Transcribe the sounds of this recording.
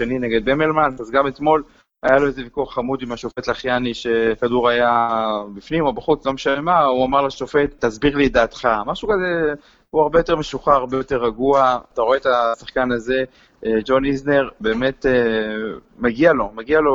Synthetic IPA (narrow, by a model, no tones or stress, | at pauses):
enineɡed̪̚bemelmanazɡamet̪mo̞l | ajalo̞eze̞vikuaχamud̪imaʃofet̪laχjaniʃekaduʁajabifnimo̞baχut͡slo̞meʃavemauamaʁlaʃofe̞t̪ːazbiʁlid̪aːt̪χamaʃukaze | huaʁbejo̞t̪eme̞ʃuχaaʁbe̞jo̞t̪e̞ʁaɡuaat̪aʁo̞eet̪asaχkanaze̞ | d͡ʒo̞nizneʁbeːmet̪e | maɡialo̞maɡialo̞